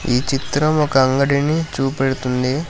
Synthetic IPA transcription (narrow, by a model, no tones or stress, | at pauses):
ḭːt͡ʃit̪ɾɐmɔkɐɐŋɡɐɽinit͡ʃuːpeɽut̪und̪i